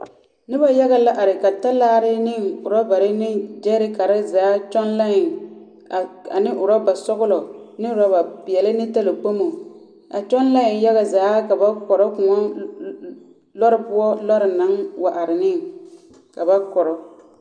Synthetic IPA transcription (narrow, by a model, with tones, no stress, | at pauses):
nɪ˦ba˦ja˦ɣa˦la˦ʔa˨ɾɪ˨ka˨ta˦laː˦ɾɪ˦nɪ˦ŋʊ˨ɾɔ˦ba˨ɾɪ˦nɪ˦d͡ʒɛ˦ɾɪ˦ka˨ɾa˦zaː˨˦t͡ʃɔ˦nla˦ɪ˨ŋ˨ | a̰˨nɪ˦ʔʊ˨ɾɔ˦ba˨sɔ˦ɣʊ˦lɔ˨nɪ˦ʊ˨ɾa˦ba˨pɪ˨ɛ˨lɪ˦nɪ˦ta˦lo˨k͡po˦mo˨ | a̰˨t͡ʃɔ˦nla˦ɪ˨ŋja˦ɣa˨zaː˨˦ka˨ba˦kɔ˨ɾɔ˦kʊ˨ŋɔ˦ | lɔ˦ɾɪ˦pʊ˦ɔ˦lɔ˦ɾɪ˨na˨˦ŋwa˨ʔa˨ɾɪ˨nɪ˦ŋ | ka˨ba˦kɔ˨ɾɔ˨